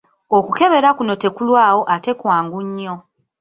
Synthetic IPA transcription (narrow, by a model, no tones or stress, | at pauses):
okuke̞βe̞ɾakuno̞te̞kulwaːwo̞ʔate̞kwaːŋɡuɲːo̞